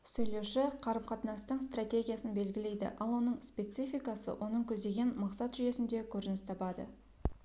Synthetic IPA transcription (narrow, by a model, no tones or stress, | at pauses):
sɵjle̞wʃɪqʰɑɾəmqʰɑt̪nɑst̪əɴst̪rat̪ʲe̞ɡʲijasənbe̞lɡʲɪle̞jd̪ɪ̰ʔɑlˠwo̞nəɴspʲe̞t̪sifijkɑsə̰wʔo̞nəɴkʲʰɵzd̪e̞ɡʲe̞nmɑqsɑt̪ʒʏje̞sɪnd̪e̞kʲʰɵɾɪnɪst̪ʰɑpɑd̪ə̰